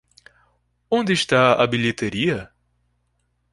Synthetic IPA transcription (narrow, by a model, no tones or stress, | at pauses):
õnd̪ɪʃt̪aɐbiʎet̪eɾiɐ